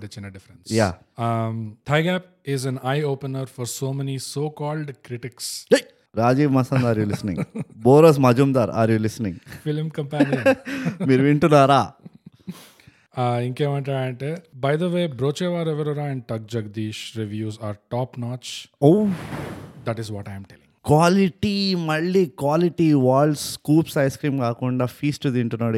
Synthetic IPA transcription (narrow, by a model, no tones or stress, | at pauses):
ɖɐt͡ʃːinɐɖɪfəɾẽnsjjaː | t̪ʰajɡæp | ɪzɛ̃najoːpənəɾfɔɾsoːmɛnisoːkɔːlɖkɾɪʈɪkse | ɾaːd͡ʒiːʋmɐsɐ̃nd̪aːɾjuːlisnḭ̃ŋboːɾos̬mɐd͡ʒumd̪aːɾa̰ːɾjuːlisnĩŋɡfɪlmkɐ̃mpænijɐnmiːɾuʋiɳʈunaːɾaː | iŋkeːmɐɳʈaːɽɐɳʈeːbɐjd̪ɐʋeːbɾoːt͡ʃeːʋaːɾɛʋɐɾoɾaːɛ̃ɳɖ̚ʈɐk̚d͡ʒɐɡd̪iːʃɾiʋjuːzaːɾʈaːpnaːt͡ʃow | d̪ɐʈizʋɔːʈɐjmʈɛlĩŋkʋaːliʈimɐɭːiːkʋaːliʈiʋaːlskuːpsɐjskɾiːmkaːkuɳɖaːfʰiːsʈud̪iɳʈunːaːɽ